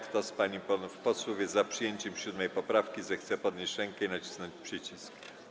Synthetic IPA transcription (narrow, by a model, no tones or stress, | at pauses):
kt̪ɔspaɲipɔfpɔswɔvʲjɛzapʂɘjeɲt͡ɕɛmɕud̪mɛjpɔpɾafkʲizɛxt̪sɛpɔd̪ɲeɕɾɛŋkɛinat͡ɕi̥snɔɲt͡ɕpʂɘt͡ɕisk